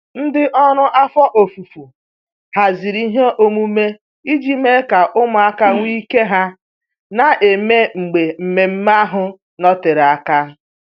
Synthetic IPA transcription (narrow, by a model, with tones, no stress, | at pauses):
n̩˦dɪ˦ʔɔ˦ɾʊ˦ʔa˦fɔ˦ʔo˨fu˨fu˨ | ha˨zi˨ɾi˦ɦe˦ʔo˦mu˦me˦ | i˦d͡ʒi˦me˦ka˨ʔʊ˦mʊ˨a˦ka˦ŋʷ˦i˦ke˦ɦa˦ | na˨ʔe˨me˦ŋ͡m̩˨ɡ͡be˨m̩˨me˨m̩˦ma˦ɦʊ˦ | nɔ˦tɪ˨ɾa˦ka˦